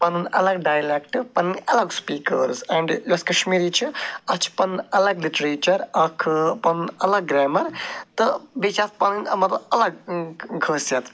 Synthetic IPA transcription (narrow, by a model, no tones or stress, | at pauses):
pɐnunɐ̰lɐɡɖaːjlekʈɨpɐnɨnʲɐlɐɡspiːkə̰ɾsɐɳɖd͡ʒɐskɐʃmiːɾit͡ʃʰiɐt͡ʃʰpɐnɐlɐɡliʈɾeːt͡ʃɐɾɐkʰpɐnnɐlɐɡ̚ːɾaːmɐɾt̪ɨbit͡ʃʰaːt̪̚ʰpɐnɨnʲɐmɐt̪ɐlɐɡkʰəːsjɐt̪ʰ